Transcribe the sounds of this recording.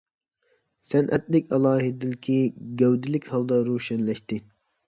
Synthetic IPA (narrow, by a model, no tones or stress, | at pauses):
sɛnʔɛt̪̚lɪkʲʰɑlˠɑːɦid̪ɪlkʲʰiɡʲɛwd̪ɪlɪkʲhɑlˠd̪ɑɾuʃɛnlɛʃt̪ɪ